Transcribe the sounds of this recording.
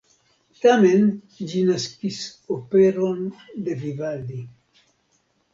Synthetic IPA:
t̪amen | d͡ʒinaskisopeɾond̪evivald̪i

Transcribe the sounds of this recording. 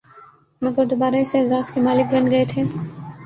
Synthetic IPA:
mɐɡəɾd̪obaːɾaɪseɛzaːskemaːlɪk̚bɐnɡɐet̪ʰeː

